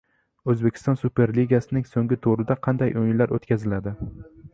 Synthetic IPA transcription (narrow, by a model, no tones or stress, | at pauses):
ɵzbekʲʰɪ̥st̪ɒnsupʰe̞ɾliɡʲasɪnɪŋsoŋɡʲɪt̪ʰoɾɪd̪aqʰɑnd̪ajʔojɪnlaɾo̰t̪kʲazɪlad̪ɪ